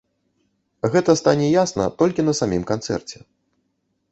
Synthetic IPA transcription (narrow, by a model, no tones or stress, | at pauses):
ɣɛt̪ɐst̪anʲɛjasnɐ̰t̪ɔlʲkʲinɐsamʲimkant̪sɛ̰rt͡sʲɛ